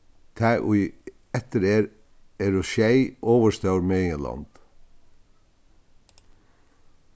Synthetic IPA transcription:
t̪ʰæːʔʊ | ɛt̪əɾeːɾ | eɾʊʃæɪʔoːʋəʃt̪ɑʉɾmeːiːlɑ̰nd̪̥

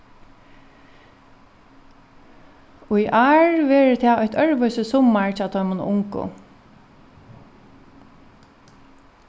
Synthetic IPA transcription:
ʊjʔaɹʋɛːɹɪt̪ʰɛaːɔjht̪ʰœɹʋœʏsəsɔmːaɹt͡ʃːt̪ʰɔʏmʊn̰ʊŋkʊ̰

